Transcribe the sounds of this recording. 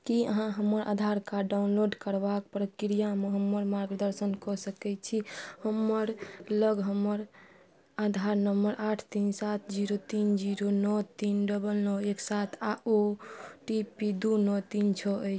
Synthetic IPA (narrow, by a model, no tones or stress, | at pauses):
kiə̰ɦãɦəmːəɾʔa̰d̪ʱaɾkaɖaunloɖkəɾbak̚pɾəkɾijameɦəmːəɾmaɾɡd̪əɾsənkɔsəkɛt͡ʃʰihəmːəɾləɡɦəmːəɾ | ad̪ʱaɾnəmbəɾʔaʈʰt̪insat̪ʰd͡ʒiɾot̪ind͡ʒiɾonɔt̪inɖəbəlnɔeksat̪ʰaoʈipid̪unɔt̪int͡ʃʰɔəjt͡ʃʰ